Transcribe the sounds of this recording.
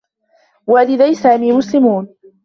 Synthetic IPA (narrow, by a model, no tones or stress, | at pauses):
walɪðajsaːmiːmʊslɪmuːn